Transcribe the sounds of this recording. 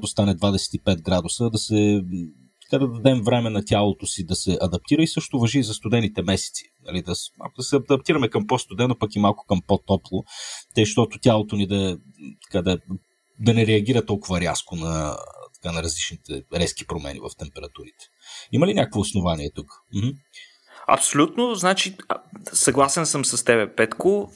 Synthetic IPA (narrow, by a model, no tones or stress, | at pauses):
t̪ost̪anɛd̪vad̪ɛsɛ̥t̪ipɛt̪̚ɡɾad̪ʊsəd̪ɐsɛ | t̪ɐ̥kad̪ɐd̪ɐd̪ɛmvɾɛmɛnɐt̪ʲalˠot̪ʊsid̪ɐsɛʔɐd̪ɐp̚t̪iɾəisɤʃt̪ʊvɐʒizɐst̪ʊd̪ɛnit̪ɛmɛsɛ̥t̪si̥nɐ̰lid̪ɐma̰lˠkʊd̪ɐsɛɐɐd̪ɐpt̪iɾɐmɛkɐmpost̪ʊd̪ɛnopɐkimalˠkʊ̥kɐmpot̪ɔplˠot̪ɛʃt̪ɔt̪ʊtʲalˠot̪onid̪ɐ | t̪ɐ̥kad̪ɐ | d̪ɐnɛɾɛɐɡ̟iɾɐt̪ɔlˠkʊvɐɾʲaskonɐt̪ɐ̥kanɐɾɐzlit͡ʃnit̪ɛɾɛski̥pɾomɛ̰nḭvɐ̰ft̪ɛmpɛɾɐt̪uɾit̪ɛ̥imɐlinʲakəkvoːsnovaniɛt̪ukm̩hm̩ | ɐ̰psolʲut̪nʊznat͡ʃisɐɡlˠasɛnsəmsɐst̪ɛβɛpɛt̪ko